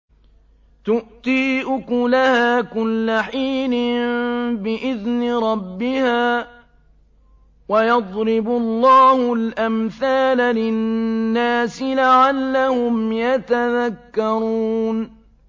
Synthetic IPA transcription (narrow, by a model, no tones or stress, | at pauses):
t̪ʊʔt̪iːʔʊkʊlahaːkʊlːaħiːlɪmmbɪʔɪðnɪɾˤɑbːɪhaː | wajɑd̪ˤɾɪbʊlˤːɑːhʊlʔamθaːlalɪnːaːsɪlaʕalːahʊmjat̪aðakːɑɾˤuːn